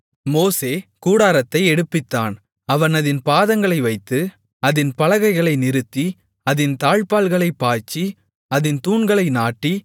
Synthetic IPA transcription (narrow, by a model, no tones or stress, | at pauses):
moːseːkuːɽaːɾɐt̪ːɐɪɛɽɯpːɪt̪ːa̰ːn | ɐʋɐnɐðɪnpaːðɐŋɡɐɭɐɪʋɐɪt̪ːɯ | ɐðɪnpɐlɐɣɐɪɣɐɭɐɪnɪɾɯt̪ːi | ɐðɪnt̪aːɻpaːlɣɐɭɐɪpːaːt͡ʃːi | ɐðɪnt̪uːɳɡɐɭɐɪnaːʈːi